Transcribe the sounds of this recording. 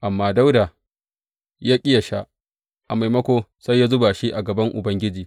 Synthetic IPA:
ʔa˨mːaː˦da˦wdaː˨ | jaː˦kʲʼɪ˦ja˨ʃa˦ʔ | ʔa˨ma˨jmɐ˦kʷoː˦sa˦jːaː˦zʊ˦ba˨ʃi˦ʔa˨ɡɐ˨bɐ˦ŋʔʊ˨bɐ˦ŋɡʲɪ˦d͡ʒiː˨

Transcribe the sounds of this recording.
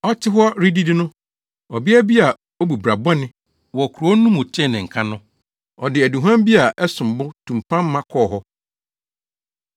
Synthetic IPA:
ɔ˦tʰɪ˦ɦʊ˦a˦ɾi˦di˦dɪ˦nʊ̃˦ | ɔ˨bɪ˦æ˦bi˦a˨ | o˦bu˨bɾa˨ba˦nɪ̃˦ | wɔ˨kʰu˨ɾo˨˦o˦nũ˦mʊ̃˨t͡ɕʰɛ˦˨nɪ̃˨ŋ̩˨kʰã˦nʊ̃˦ | ɔ˨dɪ˨æ˨du˨ɦã˦m˦bi˦a˨ʔɛ˦sʊ̃˨m˨bʊ˦tʰũ˨m̩˨pʰã˦m̩ː˦ã˦kʰɔː˦˨ɦɔ˦

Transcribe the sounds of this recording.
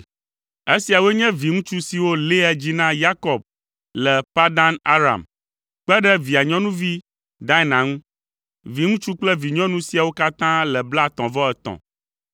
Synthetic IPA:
e˦si˨a˨wɛ˦ɲɛ̃˦vi˨ŋũ˦t͡ʃu˦si˨wo˦le˦a˨d͡ʑi˦nã˦ja˦kɔ˨b̚ | lɛ˨pa˦d̪a˦na̰˦ɾa̰˨m | k͡pɛ˦ɖɛ˦vi˨a˨ɲɔ̃˦nũ˦vi˦ | d̪a˦ɛ˦nã˨ŋũ˦ | vi˨ŋũ˦t͡ʃu˦k͡plɛ˦vi˨ɲɔ̃˦nũ˦si˨a˨wo˦ka˦t̪ã˦lɛ˨bla˦t̪ɔ̃˨vɔ˦ɛ˨t̪ɔ̰̃˨

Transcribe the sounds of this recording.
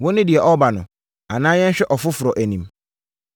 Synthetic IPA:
wɔ̃˦nɪ̃˦dɪ˨ɛ˨ʔɔ˦ba˨nʊ̃˨ | a˨nãː˦jɛ̃˦ɲ̩˦ɕᶣɛ˦ʔɔ˨fʊ˦fʊ˨ɾɔ˨ʔæ˨nĩ˨m

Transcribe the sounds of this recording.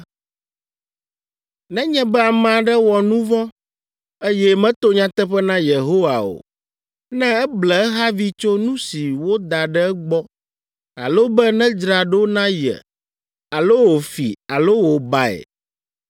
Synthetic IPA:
nɛ̃˦ɲɛ̃˦bɛ˦a˨mã˨ɖɛ˦wɔ˨nũ˦vɔ̃˦ | e˦jɛ˦mɛ̃˦t̪o˦ɲã˨t̪ɛ˦ɸɛ˦nã˦je˨ɦo˦wa˨o̰˨ | nɛ̃˦ɛ˦blɛ˨ɛ˦ɦa˦vi˦t͡ʃo˦nũ˦si˨wo˦d̪a˨ɖɛ˦ɛ˦ɡ͡bɔ˦ | a̰˨lo˦bɛ˦nɛ̃˦d͡ʒɾa˨ɖo˦o˦nã˦jɛ̰˨ | a˨lo˦wo˨fi˨a˨lo˦wo˨ba˦ḛ˨

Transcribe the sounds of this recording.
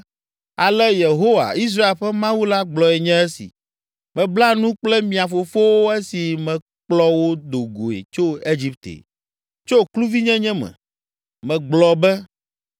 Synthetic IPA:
a˨lɛ˦je˨ɦo˦wa̰˨i˦s̬ɾa˦e˨lɸɛ˦mã˦wu˦la˦ɡ͡blɔ˨ɛ˨ɲɛ̃˦ɛ˦sḭ˨ | mɛ̃˨bla˦nũ˦k͡plɛ˦mĩ˨a˨fo˨fo˦wo˦ɛ˦si˨mɛ̃˨ | k͡plɔ˦wo˦d̪o˨ɡo˨ḛ˨t͡ʃo˦e˦d͡ʑi˦p̚t̪ḛ˨ | t͡ʃo˦˨klu˦vi˦ɲɛ̃˦ɲɛ̃˦mɛ̰̃˨ | mɛ̃˨ɡ͡blɔ˨bɛ˦

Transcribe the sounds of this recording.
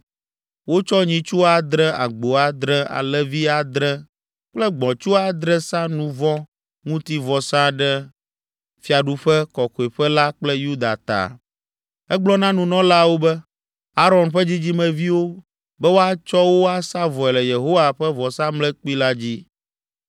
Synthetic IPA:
wo˦t͡ʃɔ˦ɲĩ˨t͡ʃu˦a˨d̪ɾɛ̃˦a̰˨ɡ͡bo˨a˨d̪ɾɛ̃˦a̰˨lɛ˦vi˦a˨d̪ɾɛ̃˦ | k͡plɛ˦ɡ͡bɔ̃˨t͡ʃu˦a˦d̪ɾɛ˦sã˦nũ˦vɔ̃˦ | ŋũ˦t̪i˦vɔ˨sã˦ɖɛ˦ | fi˨a˨ɖu˦ɸɛ˦kɔ˨ko˨e˨ɸɛ˦la˦k͡plɛ˦ju˦d̪a̰˨t̪a̰˨ | ɛ˦ɡ͡blɔ˦nã˦nũ˨nɔ̃˦la˦wo˦bɛ˦ | a˦ɾɔ˨nɸɛ˦d͡ʑi˦d͡ʑi˦mɛ̃˨vi˦wo˦ | bɛ˦wo˦a˦t͡ʃɔ˦wo˦a˦sa˦vɔ˨ɛ˨lɛ˨je˨ɦo˦wa˨ɸɛ˦vɔ˨sã˦mlɛ˦k͡pi˦la˦d͡ʑi˦

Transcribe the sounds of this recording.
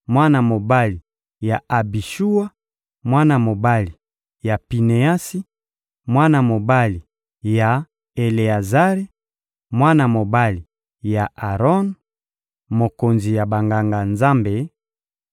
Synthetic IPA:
mwa˦na˨mo˨ba˦li˨ | ja˨a˨bi˨ʃu˦wa˦ | mwa˦na˨mo˨ba˦li˨ | ja˨pi˨ne˨a˦si˦ | mwa˦na˨mo˨ba˦li˨ | ja˨ | e˨le˨a˨za˦ʁe˦ | mwa˦na˨mo˨ba˦li˨ | ja˨ʔa˨ʁɔ˦n | mo˨ko˨nzi˨ja˨ba˨ŋɡa˨ŋɡa˨nza˦mbe˨

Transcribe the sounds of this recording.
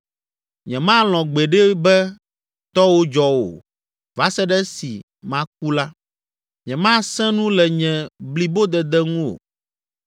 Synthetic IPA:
ɲɛ̃˨mã˦l̃ɔ̃˨ɡ͡bɛ˨ɖɛ˦bɛ˦ | t̪ɔ˦wo˦d͡ʒɔ˦wo̰˨ | va˨˦sɛ˦ɖɛ˦si˨ | mã˦k̚u˦la˦ | ɲɛ̃˨mã˦sɛ̃˦nũ˦lɛ˨ɲɛ̃˨bli˨bo˦d̪ɛ˨d̪ɛ˦ŋũ˦o̰˨

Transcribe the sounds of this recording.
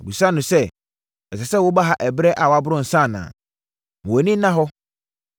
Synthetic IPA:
o˨bi˨sã˦nʊ̃˨sɛ˦ | ɛ˨sɛ˨sɛ˦wʊ˦ba˦ɦa˨ʔɛ˨bɾɛ˦ʔa˨wa˦bʊ˦ɾʊ̃˦n̩˨sã˦˨nã̰ː˨ | o˨nĩ˦nã˦ɦɔ˦

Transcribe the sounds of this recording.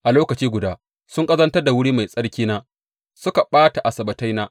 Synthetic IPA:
ʔa˨loː˦kɐ˨t͡ʃiː˦ɡʷʊ˨daː˦ | sʊ˦ŋkʼɐ˦zɐ˦ntɐ˦rda˨wʊ˦ɽiː˦ma˨jsʼɐ˦ɽkʲiː˦naː˦ | sʊ˦ka˨ɓaː˦ta˨ʔa˨sɐ˨bɐ˨ta˦jnaː˦ʔ

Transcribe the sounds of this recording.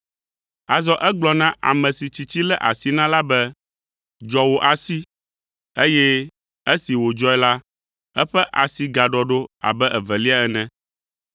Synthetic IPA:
a˨zɔ˦ʔɛ˦ɡ͡blɔ˨nã˦ʔa̰˨mɛ̃˨si˨t͡ɕi˨t͡ɕi˦lɛ˦ʔa̰˨si˨nã˦la˦bɛ˦ | d͡ʒɔ˨wo˨ʔa˨si˦ | e˦jɛ˦ | e˦si˨wo˨d͡ʒɔ˦ɛ˦la˦ | ɛ˦ɸɛ˦ʔa̰˨si˨ɡa˨ɖɔ˨ɖo˦a̰˨bɛ˦ʔɛ˨vɛ˨li˦a˦ɛ˨nɛ̃˦

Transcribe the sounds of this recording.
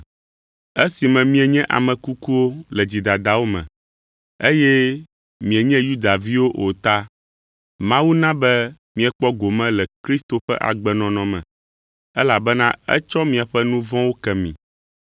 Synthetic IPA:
ɛ˦si˨mɛ̃˨mĩ˦ɛ˨ɲɛ̃˦ʔa̰˨mɛ̃˨ku˦ku˦wo˦lɛ˨d͡ʑi˨d̪a˨d̪a˨wo˦mɛ̰̃˨ | e˦jɛ˦ | mĩ˨ɛ˨ɲɛ̃˦ju˦d̪a˨vi˦wo˦ʔo˨t̪a˦ | mã˦wu˦nã˦bɛ˦ | mĩ˨ɛ˨k͡pɔ˦ɡo˨mɛ̃˦lɛ˨kɾi˦st̪o˨ɸɛ˦ʔa̰˨ɡ͡bɛ˨nɔ̃˨nɔ̃˨mɛ̰̃˨ | ɛ˦la˨bɛ˦nã˦ɛ̰˦t͡ʃɔ˦mĩ˨a˨ɸɛ˦nũ˦vɔ̃˦wo˦kɛ˨mḭ̃˨

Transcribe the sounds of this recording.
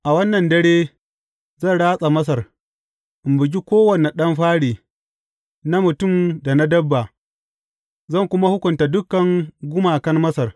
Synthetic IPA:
ʔa˨wɐ˦nːɐ˨ndɐ˦ɽeː˦ | zɐ˦˨ɽaː˦sʼa˨mɐ˦s̬ɐ˨r | ʔɪ˨mbʊ˨ɡ̬ʲi˦kʷoː˦wɐ˨ne˨ɗɐ˦mɸaː˦ɽeː˨ | na˦mʊ˨tʊ˦mda˨na˦dɐ˦bːa˨ | zɐ˦ŋkʷʊ˦ma˦hʊ˦kʷʊ˨nta˨dʊ˦kːɐ˨ŋɡʷʊ˦maː˨kɐ˦nmɐ˦sɐ˨r

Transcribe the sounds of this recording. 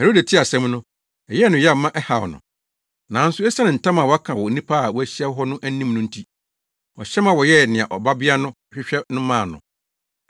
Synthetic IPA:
he˨ɾo˦dæ˨tʰɪ˦a˨sɛ̃˦mnʊ̃˦ | ɛ˨jɛ˦nʊ̃˨˦jɛ˦˨mã˦ʔɛ˦ha˨wɔ̰˨nʊ̰̃˨ | nã˨˦n̩˦sʊ˦ɛ˦sa˦nɪ̃˨n̩˨tʰã˦mã˨wɔ˨˦a˦kʰã˨wɔ˨nĩ˦pʰa˦˨wɔ˦æ˨ɕi˦ɛ˦wɦɔ˦nʊ̃˦ʔæ˦nĩ˦mnʊ̃˦n̩˦tʰi˦ | ɔ̰˨ɕɛ˦mã˨wɔ˨jɛ˦˨nɪ̃˨a̰˨ʔɔ˨ba˦bɪ˦a˦nʊ̃˦˨ɕᶣɪ˦ɕᶣɛ˦nʊ̃˦mãː˦˨nʊ̰̃˨

